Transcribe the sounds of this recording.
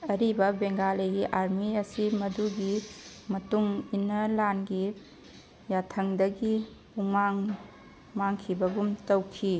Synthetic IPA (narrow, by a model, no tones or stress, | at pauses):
ɐɾibɐbeŋɡalɐjɡiʔaɾmiɐsimɐduɡimɐtuŋinɐlanɡi | jatʰɐŋdɐɡi | uŋmaŋ | maŋkʰibɐɡumtɐwkʰi